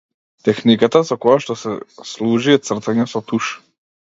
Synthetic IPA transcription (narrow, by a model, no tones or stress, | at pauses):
t̪ɛxnikat̪asɔkɔjaʃt̪ɔsɛslˠuʒiɛt̪sr̩t̪aɲɛsɔt̪uʃ